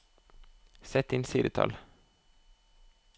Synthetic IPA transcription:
sɛt̪ɪnsiːd̪ət̪ʰɑ̰l

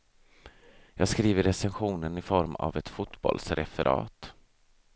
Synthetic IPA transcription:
jɑːɡskɾiːvəɾːɛsɛnɧuːnənɪfɔɾma̰vɛt̪fʊt̪bɔ̰lsɾɛfɛɾʔɑ̰ːt̪

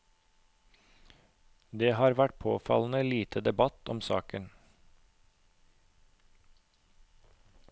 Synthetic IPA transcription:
d̪eːhɑːɾʋæʈ̚pʰo̰ːfɑ̰ln̩əliːt̪ʰəd̪ɛbɑt̪ʰɔmsɑ̰ːkən

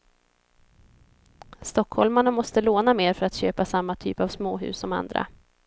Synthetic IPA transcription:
st̪ɔkhɔlmanamɔst̪əloːnameːɾfœɾat̪ɕøːpasamːat̪ʰy̰ːpavsmoːɦʉ̟̰ːsɔma̰nd̪ɾa̰

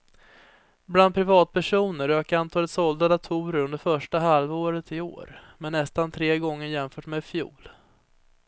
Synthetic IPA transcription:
bland̪̚pʰɾɪvɑːt̪̚pʰæʂuːnəɾøːkaant̪ʰɑːɛt̪sɔld̪ad̪at̪ʰuːɾəɾɵnd̪əɾfœʂʈaɦalvoːɾət̪ɪo̰ːɾmɛnːɛst̪ant̪ʰɾeːɡɔŋːəɾjɛmfœːʈmeːd̪fjṵːl

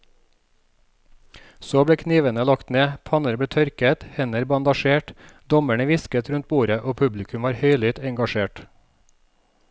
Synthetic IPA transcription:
soːbɽeːkʰniːʋənəlɑkt̪neːpʰɑnəɾb̪eːt̪ʰœɾkət̪hɛnəɾbɑnd̪ɑʃeːʈd̪ɔmæɳəʋɪskət̪ɾʉnt̪̚buːɾəʔoːpʰʉblɪkʰʉmʋɑːɾhœʏlʏt̪ɛŋɡɑʃeːʈ

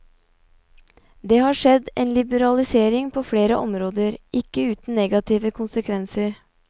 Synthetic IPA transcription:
d̪eːhɑːʂɛd̪eːnlɪbəɾɑlɪseːɾɪŋpʰoːfɽeːɾəʔɔmɾoːd̪əɾɪkːəʉːt̪n̩neːɡɑt̪ʰiːʋəkʰʊnsəkʰʋɛnsəɾ

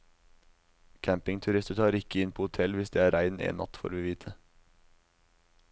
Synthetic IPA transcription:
kʰæmpɪŋt̪ʰʉɾɪst̪ət̪ʰɑːɾɪkəɪnpʰoːʊt̪ʰɛlʋɪsd̪eːæːɾʔæɪnḛːnmʔɑ̰t̪fo̰ːɾʋiːʋiːt̪ʰə

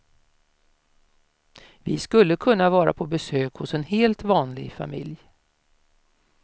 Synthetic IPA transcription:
vɪskɵlːəkʰɵnːavɑːɾa̰pʰɔbɛsøːkhʊsɛnheːlt̪vɑːnlɪ̰ɡfa̰mɪ̰lj

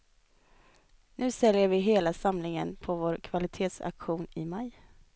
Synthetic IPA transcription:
nʉ̟ːsɛljəɾvɪɦeːlasamlɪŋənpʰɔvoːɾkʰvalɪt̪ʰeːt̪sa̰kɧuːnɪmaj

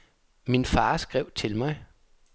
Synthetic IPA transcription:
minfɑ̈ːsɡ̥ʁɛʊ̰t͡sʰe̝lmɑɪ

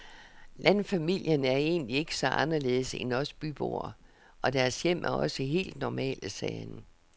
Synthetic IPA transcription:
lænfæmil̰jənæɐe̝̰ːnlie̝ɡ̥əsɒ̽ʔɑ̈nɐle̝ːð̩ˠsenɒ̽sb̥yb̥o̝̰ɐ | ʔɒ̽d̥æɐsjem̰ʔæɒ̽səiɦe̝̰ːld̥nɒmɛ̰ːləsɛːnə

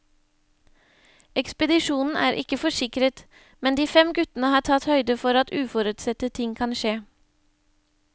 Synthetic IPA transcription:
ɛkspəd̪ɪʃuːnn̩ʔæ̰ːɾʔɪ̰kəfɔʂɪkɾət̪ | mɛnd̪iːfɛmɡʉt̪ənəhɑːʈʰɑt̪hœʏd̪əfɔɾɑt̪ʉːfɔɾʉːt̪sɛt̪ət̪ʰɪŋkʰɑnʃeː

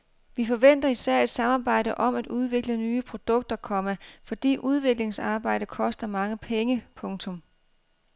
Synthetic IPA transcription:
ʋifɒ̽ʋen̰d̥ɐisæɐ̰e̝d̥sɑ̈mɑ̈ːb̥ɑ̈ɪ̰ɾ̥əʔɒ̽mæd̥uð̞ˠʋe̝ɡ̥lənyːəpʰʁo̝d̥ɔ̽ɡ̥̚d̥ɐkʰɒ̽mæfɒ̽d̥ḭːʔuð̞ˠʋe̝ɡ̥le̝ŋsɑ̈ːb̥ɑ̈ɪ̰d̥əkʰɒ̽sd̥ɐmɑ̈ŋəpʰeŋəpʰɔ̽ŋt͡sʰɔ̽m

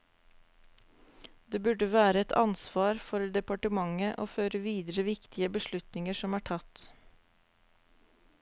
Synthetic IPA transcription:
d̪eːbʉɖəʋæːɾəɛt̪ʰɑ̰nsʋɑːɾfɔɾd̪ɛpɑʈəmɑŋəʔo̰ːføːɾəʋiːd̪əɾəʋɪkt̪ɪəbəʃlʉt̪nɪŋəʂɔmæːʈʰɑt̪

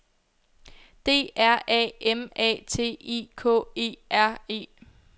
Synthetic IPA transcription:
d̥e̝̰ːæɐ̰ɛ̰ːemɛ̰ːt͡sʰe̝̰ːiːkʰɔ̰ːe̝̰ːʔæɐ̰e̝̰ː

